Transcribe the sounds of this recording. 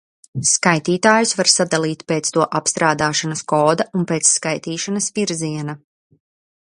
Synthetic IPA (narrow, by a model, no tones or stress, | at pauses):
skajt̪iːt̪aːjusvaɾsad̪alˠiːt̪ʲpeːt̪st̪uɔʔapst̪ɾaːd̪aːʃanɐskɔːd̪aunpeːt̪sːkajt̪iːʃanɐsviɾziɛna